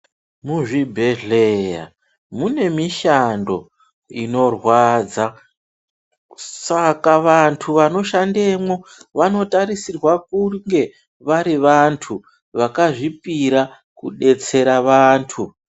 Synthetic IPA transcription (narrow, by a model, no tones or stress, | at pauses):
muʐibʱe̞ɮeja̰ | mune̞miʃando̞ | ino̞rwaːd͡za | sakaʋantʰuʋano̞ʃande̞mwo̞ʋano̞taɾisirwakuŋɡe̞ | ʋaɾiʋantʰu | ʋakaʐipiɾa | kuɗe̞t͡se̞ɾaʋaːntʰu